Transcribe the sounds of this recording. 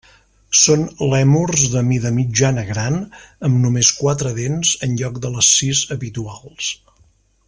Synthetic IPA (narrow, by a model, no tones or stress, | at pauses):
sonlɛmurzðəmiðəmid͡ʒanəɣɾanəmnumeskwat̪ɾəðenzənʎɔk̚d̪ələsizəβit̪ualˠs